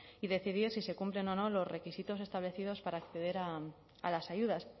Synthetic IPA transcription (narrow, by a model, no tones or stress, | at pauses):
iðe̞θið̞iɾsise̞kumple̞no̞no̞lo̞zre̞kisit̪o̞se̞st̪aβle̞θiðo̞spaɾaːkθe̞ð̞e̞ɾa | a̰lasaʝuð̞as